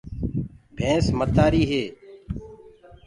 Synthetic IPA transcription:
bʱẽːsmət̪aːɾiːɦeː

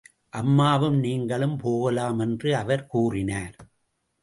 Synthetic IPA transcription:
ʔɐmːaːʋɯmniːŋɡɐɭɯmpoːɣɐlaːmɛndrɯɐʋɐɾkuːrɪnaːɾ

